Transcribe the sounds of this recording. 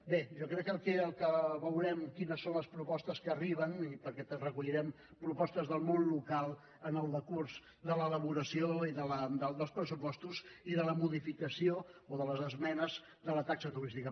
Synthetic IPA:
beʒɔkɾɛkːəlˠkeəlˠkəβəwɾɛmkinəsːonləspɾupɔst̪əskəːriβ̞ənipəɾkɛt̪ərəkuʎiɾɛm | pɾupɔst̪əzðəlˠmonlukalˠ | ənəlˠd̪əkurz | d̪ələləβ̞uɾəsioiðələd̪əd̪əlˠspɾəsupɔst̪uziðələmuðifikəsiooðələzəzmɛnəz | ðələt̪aksət̪uɾist̪ikə

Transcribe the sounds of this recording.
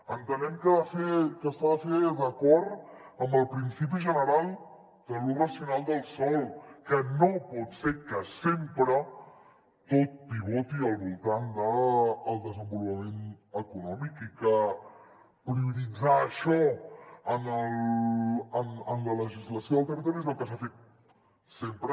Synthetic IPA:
ənt̪ənɛmkəfekəst̪afeðəkɔɾəmbəlˠpɾinsip̬iʒənəɾalˠ | d̪əlurəsiunalˠd̪əlˠsɔlkənopɔt̪sekəsempɾə | t̪ot̪̚d̪iβɔt̪iəlˠβulˠt̪and̪əːlˠd̪əzəmbulupəmenəkunɔmikikə | pɾiuðid͡zaəʃɔənəl | ənənlələʒizləsioðəlˠt̪ərt̪ɾizməkəsafet̪̚ | sempɾə

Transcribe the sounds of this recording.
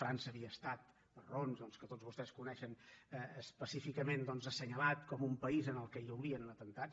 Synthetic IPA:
fɾansəːβiəːst̪at̪̚ | bəronzd̪ɔnskət̪otzβust̪ɛskunɛʃənəəspəsifikəmend̪ɔnzəsəɲəlat̪kɔmumpəizənəlˠkəiəwɾiənlət̪ənt̪at̪

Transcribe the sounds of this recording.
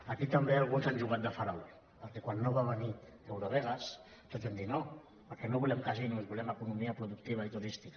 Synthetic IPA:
akit̪əmbealˠɣunzanʲʒuɣat̪d̪əfaɾawl | pəɾkɛkwanːoβaβəni | ewɾoβɛɣas | t̪ozβend̪it̪no | pəɾkɛnoβulɛmkazinumezβulɛməkunumiapɾuðuk̚t̪iβait̪uɾist̪ika

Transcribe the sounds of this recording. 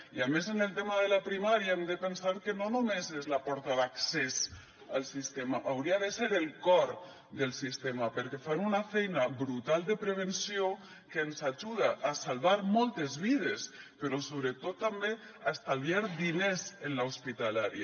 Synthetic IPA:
iamezenelt̪emaðelapɾimaɾjaemd̪epensaɾkenonomezezlapɔɾt̪aðaksez | alˠsist̪emaʔawɾiaðeseɾelˠkɔɾ | d̪elˠsist̪emapeɾkefanunafɛjnabɾut̪alˠd̪epɾeβ̞ensio | keːnsaʒuð̞aʔːsalβaɾmɔlˠt̪ezβið̞espeɾɔsoβɾet̪ot̪ːambe | ast̪aljaɾd̪inezenlaospit̪alaɾja̰

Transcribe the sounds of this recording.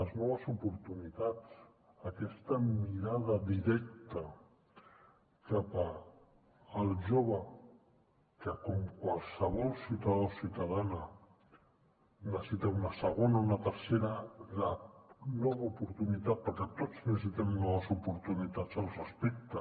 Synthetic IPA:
ləznɔβəzupuɾt̪unit̪at͡s | əkɛst̪əmiɾað̞əðiɾɛk̚t̪ə | kapaː | lˠʒoβ̞ə | kəkɔmkwalˠsəβ̞ɔlˠsiwt̪aðosiwt̪að̞anə | nəsit̪ɛunəsəɣ̞onaunat̪əɾseɾalanɔβaupuɾt̪unit̪at̪̚pəɾkɛt̪od͡znəss̬it̪ɛmnɔβəzupuɾt̪unit̪at͡səlˠrəspek̚t̪ə

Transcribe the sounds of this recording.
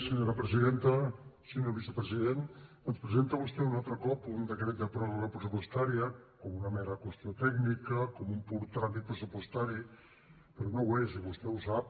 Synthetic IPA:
səɲoɾəpɾəziðent̪əsəɲolβisəpɾəziðen | ənspɾəzent̪əβust̪ɛunalˠt̪ɾəkɔpund̪əkɾɛt̪̚d̪əpɾɔɾəpɾəsupuəst̪aɾiəkɔmunəmeɾəkwəst̪iot̪ɛɡnikəkɔmumpuɾt̪ːɾamit̪̚pɾəsupwəst̪aɾi | pəɾɔnowesiβust̪ɛusap̚

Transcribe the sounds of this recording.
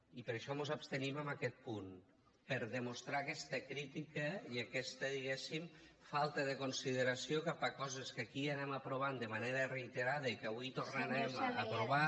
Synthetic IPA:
ipəɾeʃɔmozapst̪eniməmakɛt̪̚pun | pəɾðemost̪ɾaːkɛst̪əkɾit̪ikəiakɛst̪əðiɣɛsim | falˠt̪əðekonsiðeɾasjokapakɔzeskakianɛmapɾoβ̞and̪əmaneɾərejt̪eɾað̞əikaβujt̪ornanɛmapɾoβa

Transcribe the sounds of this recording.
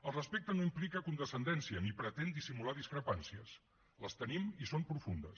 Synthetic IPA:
əlˠrəspek̚t̪ənoimplikəkund̪əsənd̪ɛnsiənipɾət̪end̪isimulaðiskɾəpansiəs | ləst̪ənimisompɾufund̪əs

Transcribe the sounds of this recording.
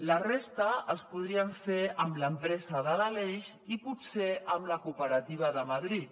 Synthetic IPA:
lərest̪əəspuð̞ɾiəɱfeəmləmpɾɛzəðəlaleʃiput̪seʔəmləkupəɾɐt̪iβ̞əðəmɐðɾit̪

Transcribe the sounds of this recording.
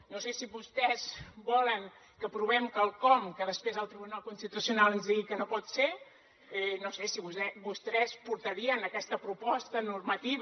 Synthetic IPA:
nosesiβust̪ɛzbɔləŋ | kəpɾuβ̞ɛmkəlˠkɔmkəðəspɾezəlˠt̪ɾiβunalˠkunst̪it̪usiunalˠənzðiɣikənopɔt̪se | ɛnosesiβuɛbust̪ɾɛspuɾt̪əɾiənəkɛst̪əpɾupɔst̪ənurmət̪iβ

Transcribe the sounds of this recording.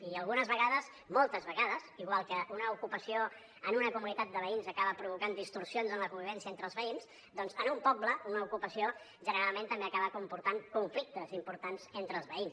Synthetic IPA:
iəlˠɣunəzβəɣaðəz | molˠt̪əzβəɣaðəziɣwalˠkəʔunəukupəsio | ənunəkumunit̪at̪̚d̪əβ̞əinzəkaβəpɾuβukand̪ist̪ursionzənləkumbiβ̞ɛnsiəent̪ɾəlˠzβəinz | d̪ɔnzənumpɔbləunəukupəsio | ʒənəɾalˠmẽnt̪əmbeəkaβəkumpuɾt̪aŋkuɱflik̚t̪əzimpuɾt̪anz̥ent̪ɾəːlˠzβəins

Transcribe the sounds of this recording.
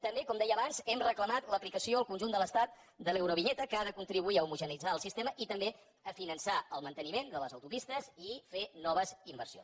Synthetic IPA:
t̪əmbekɔmd̪ɛjəːβanzɛmrəkləmat̪ləplikəsioəlˠkunʒund̪ələst̪at̪̚ | d̪əlewɾoβiʎɛt̪əkəaðəkunt̪ɾiβuiəumuʒənid͡zaəlˠsist̪eməʔit̪əmbe | əfinənsaəlˠmənt̪ənimend̪ələzəwt̪upist̪əzifenɔβ̞əzimbərsijo̰ns

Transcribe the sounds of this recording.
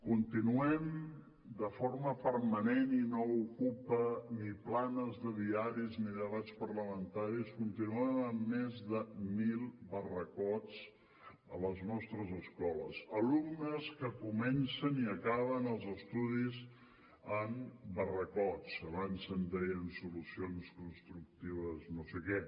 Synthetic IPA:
kunt̪inuɛm | d̪əfoɾməpəɾməneninoukupəniplanəzðəðiaɾizniðəβat͡spəɾləmənt̪aɾiskunt̪inuənəmːɛzðəmilˠbərəkɔt͡s | ə̰ləznɔst̪ɾəzəskɔlə̰zəlumnəskəkumɛnsəniəkaβənəlˠzəst̪uðiz | əmbərəkɔt͡səβansənd̪ɛjənsulusionskunst̪ɾuk̚t̪iβəznosekɛ

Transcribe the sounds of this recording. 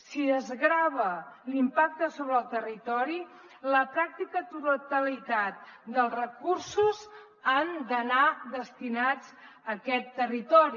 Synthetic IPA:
siðəzɣɾaβəlimpak̚t̪əsoβɾəlˠt̪ərit̪ɔɾi | ləpɾak̚t̪ikət̪ut̪ut̪əlit̪at̪̚d̪əlˠrəkursuz | and̪ənad̪əst̪inad͡z | əkɛt̪ːərit̪ɔɾi

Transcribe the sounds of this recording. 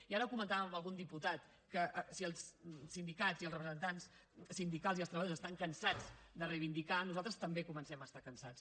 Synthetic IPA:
iaɾəkumənt̪aβəməlˠɣund̪iput̪at̪ | kəʔsiəlˠssind̪ikaziəlˠzrəpɾəzənt̪ans | sind̪ikalˠziəlˠst̪ɾəβəjozəst̪aŋkənsad͡zd̪ərəjβind̪ikanuzalˠt̪ɾəst̪əmbekumənsɛməːst̪akənsat͡s

